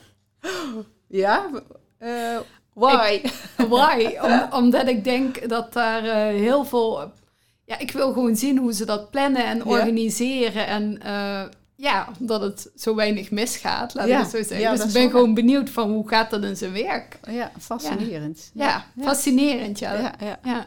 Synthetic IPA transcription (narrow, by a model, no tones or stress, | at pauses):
ja | jwajɔmɔmdɑtɪkɡ̚dɛŋkdɑt̚daːrəɦɪːlˠvːlˠ | jaːʔɪkʋɪlˠɣəʋonzinɦuzədɑt̚plɛnəɛnɔɹɣanizɪːrəʔɛnə | jaːdɑtətz̥owʋɛjnəxmɪsxa̰ːtlaːkətsowzɛɣədəsɪɡbɛnxəʋownbənuwtfɑnɦuɣaːt̚dɑtɪnzənʋɛɹkfsaəntjafɑsinɪːrəntja̰ja